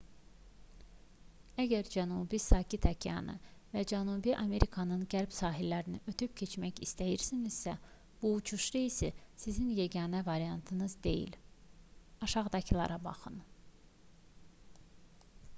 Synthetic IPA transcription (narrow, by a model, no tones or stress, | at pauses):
æɟæɾd͡ʒænuːbisɑːcʰit̪ʰæcʰijɑ̰nɯ̰væd͡ʒænubiʔɑme̞ɾikʰɑnɯnɟæɾbsɑːɦilːæɾiniʔøt̪ʰyp̚cʰe̞t͡ʃmæçist̪æjiɾsiniz̥sæ | b̥uːt͡ʃʰuʃɾeisisizinjeɡɑːnævɑɾijɑnt̪ʰɯnɯzd̪e̞̰jḭl | ɑʃɑʁd̪ɑcʰilˠɑ̰ɾɑbɑ̰χɯn